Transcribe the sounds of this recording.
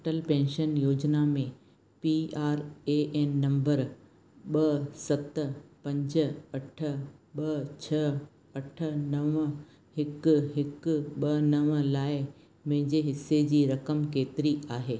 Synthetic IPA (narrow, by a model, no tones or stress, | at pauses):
ʈəlpɛ̃ːnʃənjoːd͡ʑnamẽ | piaːɾeːʔɛːnːɐ̃mbəɾ | ɓɐsɐt̪pɐ̃ɲd͡ʑə̆ɐʈʰə̆ɓɐt͡ɕʰɐ | ɐʈʰə̆nɐʋə | hɪkɦɪkɓɐnɐʋə̆laːɪ | mɐ̃ɦɪ̃ɲd͡ʑeɦɪsed͡ʑiːɾɐkəmkeːt̪ɪɾiaːɦeː